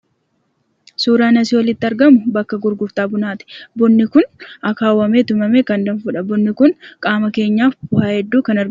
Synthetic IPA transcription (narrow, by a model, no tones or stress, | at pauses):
suːɾaːnɐsɪwɐlɪt̪ːɪɐɾɡɐmʊbɐkːɐɡʊɾɡʊft̪aːbʊnaːt̪ɪ̥bɔnːɪkʊnɐkaːwːɐmeːt̪ʊmɐmeːkɐnd̪ɐnfʊᶑɐbʊnːɪkʊnkʼaːmɐke̞ːɲːaːfbʊhaːhɛd̪ːuːkɐnɐɾɡɐ